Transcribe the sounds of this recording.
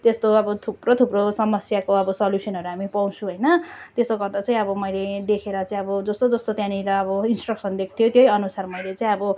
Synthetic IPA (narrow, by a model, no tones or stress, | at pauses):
t̪est̪oʌbʌt̪ʰuprot̪ʰuprosʌmʌsjakoʌbʌsʌljusʌnɦʌɾuɦamipʌw̃t͡sʰũɦʌjnʌt̪esoɡʌrd̪at͡sãĩʌbʌmʌjled̪ekʰeɾʌt͡saĩʌbʌd͡zʌst̪od͡zʌst̪ot̪jãniɾʌːbʌinsʈrʌksʌnd̪ekʰt̪ʰijot̪jojʌnusarmʌjlet͡sãĩʌbʌ